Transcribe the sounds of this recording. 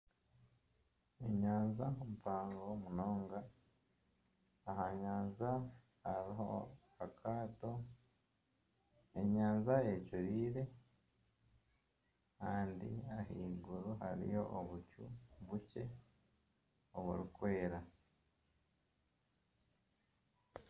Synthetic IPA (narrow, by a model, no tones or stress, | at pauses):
eɲaːnzakumupaːŋɡo̞muno̞ːŋɡa | aɦaɲaːnza | haɾiɦo̞̰ | akʰaːto̞ | e̞ɲaːnzaecuɾiːɾe̞ | kaːndḭaɦiːɡuɾuhaɾḭjo̞̰ʔoβucṵβuce̞ | oβṵɾikwe̞ːɾa